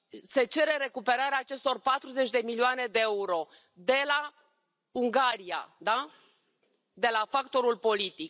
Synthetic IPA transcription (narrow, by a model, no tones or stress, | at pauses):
se̞t͡ʃe̞ɾe̞ɾe̞kupe̞ɾaɾeaːt͡ʃe̞st̪o̞rpat̪ɾuze̞t͡ʃʲd̪e̞milioane̞d̪e̞euɾo̞ | d̪e̞la | uŋɡaɾia̰d̪a | d̪e̞lafakt̪o̞ɾulpo̞lit̪ik̚